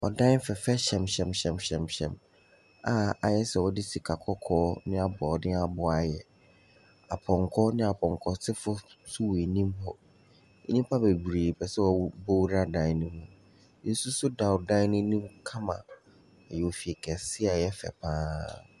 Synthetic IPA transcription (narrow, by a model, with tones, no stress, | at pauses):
ɔ̰˨dã˦n˦fɛ˨fɛ˦ɕɛ̃˨mɕɛ̃˨mɕɛ̃˨mɕɛ̃˨mɕɛ̰̃˨m | a˨a˨jɛ˦sɛ˨wɔ˦dɪ˦si˨kʰa˨kʰɔ˦kʰɔː˦nɪ̃˦a˦bʊ˨ɔ˨dɪ˦a˨bʊ˨a˨jɛ˨ | a˨pʰɔ̃˨ŋkʰɔ˦nɪ̃˦a˨pʰɔ̃˨ŋkʰɔ˨tʰɪ˦fʊ˦su˦we˨nĩ˦mɦɔ˦ | ḛ˦nĩ˦m˦pʰa˦bɛ˨bu˨ɾe˨pʰɛ˨sɛ˦wɔ˦˨˦bo˦wɾa˦dã˨˦nʊ̃˦mũ˨ | nɪ̃˦n̩˦su˦sʊ˦da˨wdã˦nʊ̃˦nĩ˦mkʰã˦mã̰˨ | ɛ˨jɛ˨o˨fi˨e˨kʰɛ˨sɪ˦a˨jɛ˦fɛ̰˨pʰãː˦